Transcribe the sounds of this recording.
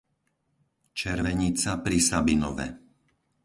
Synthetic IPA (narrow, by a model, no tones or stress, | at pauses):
t͡ʃɛɾʋɛɲit͡sapɾisabinɔ̰ʋɛ̰